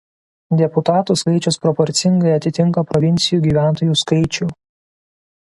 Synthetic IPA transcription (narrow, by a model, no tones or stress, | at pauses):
d̪ʲɛpʊt̪ɑːt̪uːˑskɐɪt͡ʃʲʊspɾɔpɔɾʲt̪sʲɪŋɡɐɪɐt̪ʲɪt̪ʲɪŋkɐpɾɔʋʲɪnʲt̪sʲɪjuːˑɡʲiːʋʲæˑnt̪oːjuːskɐɪt͡ʃʲʊː